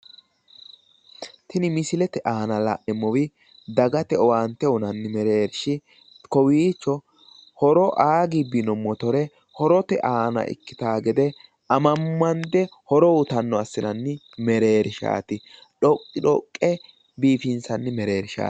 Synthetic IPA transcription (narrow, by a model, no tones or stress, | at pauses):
t̪ɪnɪmɪsɪlɛt̪ɛʔaːnɐla̰ʔɛmːɔwɪ | d̪ɐɡɐt̪ɛɔwaːnt̪ɛʊnɐnːɪmɛɾe̞ːɾʃɪ | kɔwiːt͡ʃːɔ | hɔɾɔʔaːɡɪbɪnɔmːɔt̪ɔɾɛ | hɔɾɔt̪ɛʔaːnɐ̰ʔɪ̰kːɪ̥t̪aːɡɛd̪ɛ | ɐmɐmːɐnd̪ɛhɔɾɔwʊt̪ɐnːɔɐsːɪnɐnːɪ | mɛɾe̞ːɾɪʃa̰ːt̪ɪ | ᶑɔkʼːɪᶑɔkʼːɛ | biːfɪnsɐnːɪmɛɾe̞ːɾɪʃa̰ː